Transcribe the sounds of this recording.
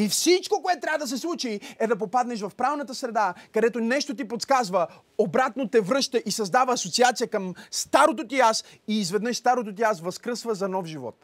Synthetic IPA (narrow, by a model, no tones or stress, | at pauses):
ifsit͡ʃkokoɛt̪t̪ːɾʲavəd̪ɐs̬ɛslˠut͡ʃiɛd̪ɐpopad̪nɛʃvɐfpɾavnɐt̪əsɾɛd̪akɐd̪ɛt̪onɛʃt̪ot̪̬ipot̪skazvə | obɾat̪not̪ɛvɾɤʃt̪əʔisɐzd̪avəːsot̪siat̪sijəkɐmst̪aɾot̪ot̪ias | iːzvɛd̪nəʃst̪aɾot̪̬ot̪iasvɐskɾəsvəzɐnɔfʒivɔ̰t̪